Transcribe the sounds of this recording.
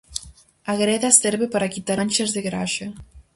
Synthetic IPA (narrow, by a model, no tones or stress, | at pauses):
aɣɾɛðasɛɾβepaɾakit̪aɾnʲt͡ʃazðeɣɾaʃɐ